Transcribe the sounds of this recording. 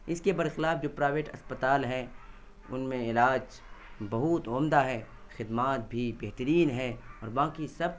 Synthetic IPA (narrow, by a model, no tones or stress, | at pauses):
ɪskebɐɾxɪlaːfd͡ʒoːpɾaːʋeːʈɐ̰spət̪aːlɦɛ | ʊnmẽɪlaːd͡ʒ | bɐɦʊt̪ʊːmd̪aɦɛː | xɪd̪maːt̪̚bʱibeɦt̪əɾiːnɦɛɔːɾbãːkisɐb̚